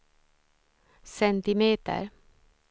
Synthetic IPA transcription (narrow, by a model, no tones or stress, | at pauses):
sɛnt̪ɪmeːt̪ə̰ɾ